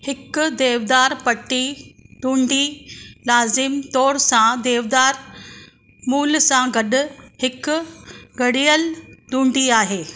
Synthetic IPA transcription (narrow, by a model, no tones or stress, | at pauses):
hɪkd̪eːʋd̪aːɾpɐʈːiɖũːɳɖilaːzɪmt̪ɔːɾsãd̪eːʋd̪aːɾ | muːlsãɡɐɗʊhɪk | ɡɐɽijəlɖ̪ũːɳɖiaːɦeː